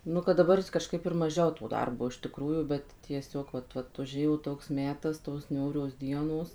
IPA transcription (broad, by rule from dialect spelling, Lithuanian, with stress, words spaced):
ˈnʊ kɐt dɐˈbɐr kɐʃˈkɐɪp ɪr mɐˈʒʲɛʊ toː ˈdɐrboː ɪʃ tʲɪˈkruːjuː ˈbʲɛt tʲiɛˈsʲoːk ʋɐt ˈʋɐt ʊˈʒʲeːjoː ˈtoːks ˈmʲæːtɐs toːs ˈnʲuːrʲoːs ˈdʲiɛnoːs